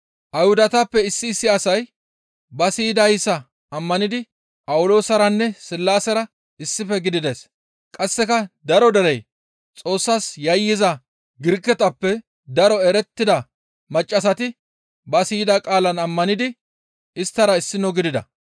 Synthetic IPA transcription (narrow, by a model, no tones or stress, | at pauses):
ʔɐjhʊd̪ɐt̪apːɛɪsːɪːsːɪɐsɐj | bɐsiːd̪ɐjɪsɐ | ɐmːɐnɪd̪ɪ | pʼɐwʊlo̞ːsɐɾɐnːɛsɪlːaːsɐɾɐ | ɪsːɪfɛɡɪd̪ɪd̪e̞ːs | kʼɐsːɛkɐd̪ɐɾɔd̪ɐɾɛj | t͡sʼo̞ːsːaːsjɐjːɪzɐ | ɡɪɾkːɛt̪ɐpːɛ | d̪ɐɾɔɛɾɛt̪ːɪd̪ɐ | mɐt͡ʃʼːɐs̬ɐt̪ɪ | bɐsiːd̪akʼaːlɐnɐmːɐnɪd̪ɪ | ɪst̪ːɐɾɐɪsːɪnɔɡɪd̪ɪd̪ɐ̰